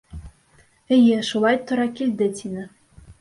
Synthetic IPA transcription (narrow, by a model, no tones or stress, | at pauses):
ɘ̆jɘʃulˠɑjt̪ŏɾɑkilʲd̪ɘ̆t̪ʲʰinɘ̆